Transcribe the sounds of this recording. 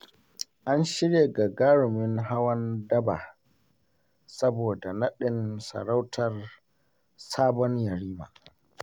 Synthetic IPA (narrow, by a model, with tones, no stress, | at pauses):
ʔa˦nʃɪ˦ɾjeː˨ɡa˨ɡaː˦ɽʊ˨mɪ˦nɦa˦wɐ˦ndɐ˦ba̰ː˨ | sɐ˦boː˨da˨nɐ˦ɗɪ˨nsɐ̰˨ɽa˦wtʰɐ˨r | saː˦bɔ˦ɲjɐ˨ɾiː˦ma̰ː˨